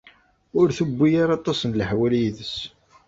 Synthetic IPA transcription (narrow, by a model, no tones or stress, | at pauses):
ʊɾθubːijaɾɑt̪ˤːɑsənlħwæljiðəs